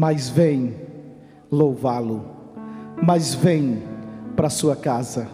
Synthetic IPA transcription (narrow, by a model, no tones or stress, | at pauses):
mɐjzvẽj̃ | lowvalʊ | mɐjzvẽj̃pɾɐsuɐkazɐ